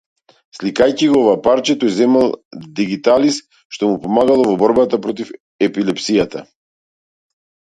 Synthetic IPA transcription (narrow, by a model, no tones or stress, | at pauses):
slikajciɡɔɔvaːpaɾt͡ʃɛt̪ɔjzɛmalˠd̪iɡit̪alis | ʃt̪ɔmupɔmaɡalˠɔvɔbɔɾbat̪apɾɔt̪̬if | ɛpilɛpsijat̪a